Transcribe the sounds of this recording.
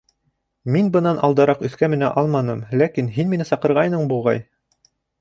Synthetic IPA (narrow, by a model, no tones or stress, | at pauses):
minbɤ̆nɑnʔɑlˠd̪ɑɾɑqɵ̆θkæmɘ̆næ̰ʔɑlˠmɑnɤmlækinɦinminɘsɑqɤ̆ɾʁɑjnɤɴbulˠʁɑ̰j